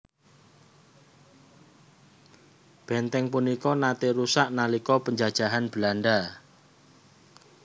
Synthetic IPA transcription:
b̥ɛnt̪ɛŋpunikɔnat̪eɾusaʔnalikɔpəɲd͡ʒad̥ʒ̥a̤ɦanb̥əlaɳɖa

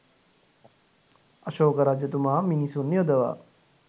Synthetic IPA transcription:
ɐʃoːkɐɾad͡ʒjɐt̪umaminisunːijod̪ɐʋa̰ː

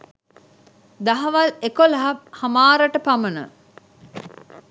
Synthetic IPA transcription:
d̪ɐɦɐʋalekolɐɦɐhɐmaːɾəʈəpamənə̰

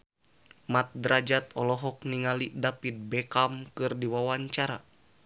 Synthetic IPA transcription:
mat̪̚dɾad͡ʒat̪ɔlɔɦɔk̚niŋalidapit̪̚bɛkamkɨrdiwawaɲt͡ʃaɾa̰

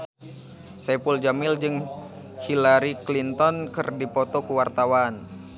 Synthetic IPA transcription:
sɛpuld͡ʒamɪld͡ʒɨŋ | hilaɾiklint̪ɔnkɨrdipɔt̪ɔkuwart̪awan

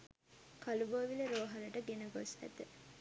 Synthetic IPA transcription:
kɐluboːʋiləɾoːɦɐləʈəɡenəɡosʋæ̰t̪ə

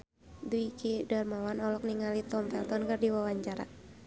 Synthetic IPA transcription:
duikidarmawanɔlɔk̚niŋalit̪ɔmfɛlt̪ɔnkɨrdiwawaɲt͡ʃaɾa

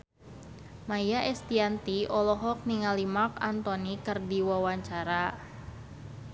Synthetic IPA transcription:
majaʔɛst̪iant̪iɔlɔɦɔk̚niŋalimakant̪ɔnikɨrdiwawaɲt͡ʃaɾa

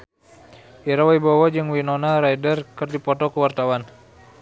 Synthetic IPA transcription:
ʔiɾawaibowad͡ʒəŋwinɔnaɾaidərkərdipɔt̪ɔkəwart̪awan

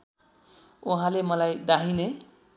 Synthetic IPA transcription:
uɦãlemʌlajd̪aɦine

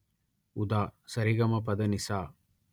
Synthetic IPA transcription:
ud̪aːsɐɾiɡɐmɐpɐd̪ɐnisaː

